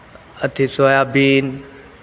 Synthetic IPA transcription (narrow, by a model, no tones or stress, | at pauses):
ət̪ʰisoaːjaːbiːn